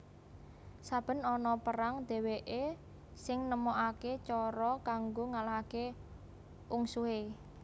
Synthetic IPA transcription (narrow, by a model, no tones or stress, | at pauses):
sab̥ə̤nɔnɔpəɾaŋd̪̥e̤weʔe | sɪŋnəmoʔaket͡ʃɔɾɔkaŋɡoŋalake | ʔuŋsuɦe